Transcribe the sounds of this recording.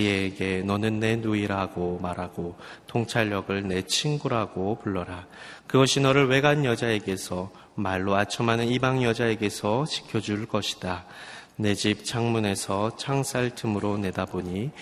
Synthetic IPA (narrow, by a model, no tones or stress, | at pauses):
eɡe̞nʌnɯnːe̞nuiɾaɡomaɾɦaɡo | tʰoŋt͡ɕʰaʎːʌɡɯɭne̞t͡ɕʰiŋɡuɾɦaɡopuɭːʌɾa | kɯɡʌɕʰinʌɾɯɭwe̞ɡaɲjʌd͡ʑae̞ɡe̞sʰʌ | maɭːoat͡ɕʰʌmɦanɯnibaŋjʌd͡ʑae̞ɡe̞sʰʌt͡ɕi̥kʰjʌd͡ʑuɭk͈ʌɕʰi̥d̥a | ne̞d͡ʑip̚t͡ɕʰaŋmune̞sʰʌt͡ɕʰaŋsʰaɭtʰɯmɯɾone̞daboɲi